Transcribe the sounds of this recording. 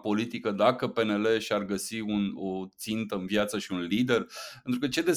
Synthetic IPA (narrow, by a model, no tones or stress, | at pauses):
po̞lit̪ikəd̪akəpe̞ne̞le̞ʃiarɡəsiuno̞t̪sint̪əɨnvjat̪səʃiunlid̪e̞rpent̪ɾukət͡ʃe̞d̪e̞